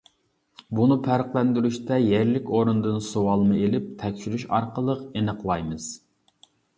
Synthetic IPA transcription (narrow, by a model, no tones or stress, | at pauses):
bunɨpʰæɾqlˠɛnd̪yɾyʃt̪ɛjæɾlɪkʲoɾund̪ɨnsowɑlˠmɨelɪp̚t̪ʰɛkʲt͡ʃʰyɾyʃɑɾqəlˠəqenəqlˠɑjmɨz̥